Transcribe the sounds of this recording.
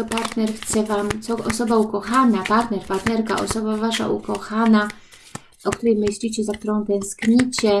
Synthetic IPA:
ɔpaɾt̪nɛɾxt̪sɛvamt̪sɔɔsɔbaukɔxanapaɾt̪nɛɾpaɾt̪nɛɾka̰ʔɔ̰sɔbavaʂa̰ʔṵkɔxana | ɔkt̪uɾɛjmɘɕlʲit͡ɕɛzak̚t̪uɾɔ̃w̃t̪ɛ̃w̃skɲit͡ɕɛ

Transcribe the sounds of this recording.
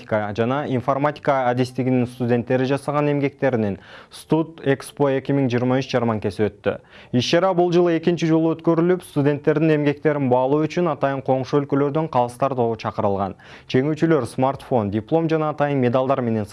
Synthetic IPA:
kəd͡ʒɑnɑinfo̞ɾmat̪ʲi̥kaːd̪est̪ɪɡʲɪnɪŋst̪udʲe̞nt̪ːe̞ɾɪʒɑsɑʁɑne̞mɡʲe̞k̚t̪e̞ɾɪnenst̪ut̪e̞kspo̞e̞kʲɪmɪŋʒijəɾmɑʏʃd͡ʒɑɾmɑŋkʲe̞swøt̪ːɪ̰ | iʃʃɑɾɑbʊlˠʒəlˠəe̞kʲɪnt͡ʃɪʒolˠuøt̪kʲø̞ɾɪlɪpst̪udʲe̞nt̪ːe̞ɾd̪ɪŋe̞mɡʲe̞k̚t̪e̞ɾɪnbɑlˠuːʏt͡ʃʏnɑt̪ɑjəɴqʰo̞ɴʃuɵlkø̞lø̞ɾd̪øɴqʰɑlˠəst̪ɑɾd̪o̞ət͡ʃʰɑqəɾəlˠʁɑ̰n | d͡ʒe̞ŋyt͡ʃylø̞ɾsmart̪fo̞ndʲiplˠo̞mʒɑnɑːt̪ɑjənmʲe̞d̪alˠd̪ɑɾme̞ne̞ns

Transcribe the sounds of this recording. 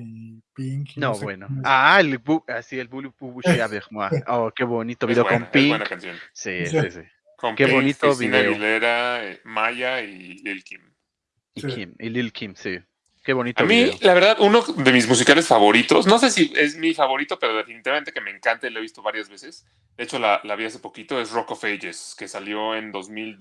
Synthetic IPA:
iŋknoβwenoaeluasielbulubuβuʃiaβeɾmwaokeβonit̪oβiðeoβkomkpiŋwenakkansjonsisisḭ | komkeβonit̪oβiðnaeoileɾaemaʝaililkim | ikimililkʰimsi | keβo̞nit̪aomilaβe̞ɾðaðunoðe̞mizmus̬ikalesfaβo̞ɾit̪o̞sno̞sesiezmifaβo̞ɾit̪o̞pe̞ɾoðefinit̪iβament̪ekemeŋkant̪ailoeβist̪o̞βaɾjazβe̞se̞s | d̪eet͡ʃo̞lalaβiase̞po̞kit̪o̞e̞srokofejʝeske̞saljo̞e̞nd̪o̞zmil

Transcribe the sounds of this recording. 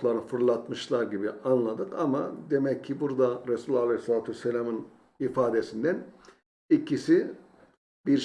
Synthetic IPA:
lˠaɾnɯfɯɾlˠat̪mɯʃlˠaɾɟibianlˠad̪ɯkamad̪e̞mɛcʰːibuɾd̪aɾesulʲalʲehslʲˠaːt̪ʰɛselʲamɯn | ifaːd̪esind̪æn | icʰisi | biɾ

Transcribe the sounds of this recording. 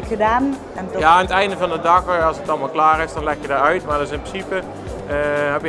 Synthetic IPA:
ədaːn | njaaːnətɛjndəvɑndədɑxɑlˠsətɑlˠmalˠklaːrɪsdɑnlɛxjədaːɹœɥtmaːdɪs̬ɪnprəsipə | ɦɛpjə

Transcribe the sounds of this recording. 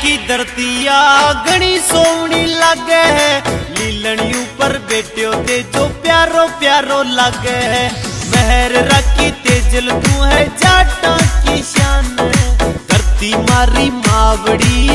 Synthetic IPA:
kiːd̪əɾt̪iːaːɡəɽ̃iːsoːʋɳiːləɡɛːɦɛːliːləɳiːupəɾbeːʈjõːd̪eːd͡ʒoːpjaːɾoːpjaːɾoːləɡɛːɦɛːməɦɛɾɾəkːiːt̪eːd͡ʒəlnũːɦɛːd͡ʒaːʈãːkiːʃaːn | t̪əɾt̪iːmaːɾiːmaːʋɽiː

